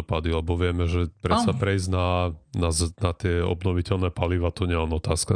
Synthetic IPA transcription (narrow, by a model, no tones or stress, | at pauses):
ɔpad̪ilɛbɔʋɪɛmɛʒɛpɾɛsapɾɛjznanaznat̪ɪɛɔ̰bnɔʋicɛlnɛpaliʋat̪ɔɲɛlɛnɔt̪aːska